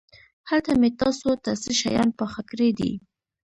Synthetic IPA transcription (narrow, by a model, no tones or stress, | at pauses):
hat̪amet̪ɑsot̪asiʃa̰jɑ̰npəxakɾed̪ḭ